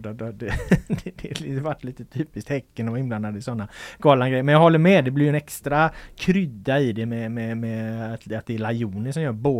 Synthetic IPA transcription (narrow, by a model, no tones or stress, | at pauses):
d̪d̪d̪ɛd̪ɛd̪ɛlvaʈːliːt̪ət̪ʰyːpɪskt̪hɛkːənɔvaɪnbland̪ad̪əɪsɔnːaɡ̥ɑːlanɡɾɛjːəmɛnjɑɡhɔlːəɾmɛd̪ɛblɪɾjʏɛnɛkst̪ɾakʰɾʏd̪ːaɪd̪ɛmɛmɛmɛat̪at̪̚d̪ɛːlajuːnəʂɔmjœːɾboː